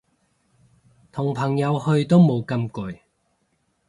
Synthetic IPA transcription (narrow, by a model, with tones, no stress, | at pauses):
t̪ʰʊ˨˩ŋpʰɐ˨˩ŋjɐ˨˧whɵ˧ɥt̪o˥wmo˨˧wkɐ˧mkɵ˨˥j